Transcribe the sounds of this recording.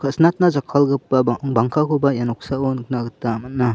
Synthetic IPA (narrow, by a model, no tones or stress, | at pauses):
kʰɯsnat̚nazakʰalɡɯpːabaŋkʰakʰubajanɔk̚saonkʰnaɡɯtːamat̚nːa